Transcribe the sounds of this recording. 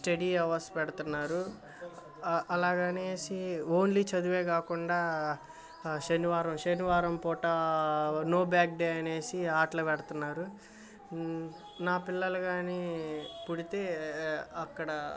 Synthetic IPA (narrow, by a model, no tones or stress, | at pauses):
sʈeɽiːɐʋɐspɛɽɐt̪unːaːɾu | ɐlaːɡaːne̞ːsioːnlit͡ʃɐd̪uʋe̞ːkaːkuɳɖaː | ʃɐniʋaːɾɐmʃɐniʋaːɾɐmpɔːʈɐ | no̞ːbjaːk̚ɖeːɐne̞ːsiaːʈlɐpɛɽɐt̪unːaːɾu | naːpilːɐlɐɡaːnipuɽit̪e̞ːɐkːɐɽɐ